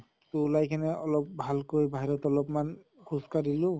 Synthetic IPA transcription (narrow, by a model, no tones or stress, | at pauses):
tulajkʰanɛɔlɔp̚bʱalkojbʱaɦiɹɔtɔlɔpman | kʰuskadilʊ